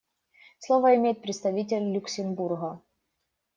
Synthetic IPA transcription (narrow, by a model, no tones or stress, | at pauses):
slˠovəɪmʲejɪt̪pɾʲɪt̪st̪ɐvʲitʲɪlʲːʊksʲɪmburɣə